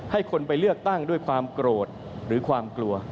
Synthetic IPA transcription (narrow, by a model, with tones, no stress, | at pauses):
ha˥˩jkʰo˧npa˧jlɯ˥˩ək̚t̪a˥˩ŋdu˥˩əjkʰwaː˧mkɾoː˨˩t̪̚ | ɾɯː˩˦kʰwaː˧mklu˧ɐ